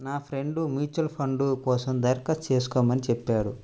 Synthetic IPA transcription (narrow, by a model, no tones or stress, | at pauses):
naːpʰɾe̞ɳɖumjuːt͡ʃɐlpʰɐɳɖukɔːsɐmd̪ɐjɾkɐst͡ʃe̞ːs̬u̥kɔːmɐnit͡ʃɛpːaːɽu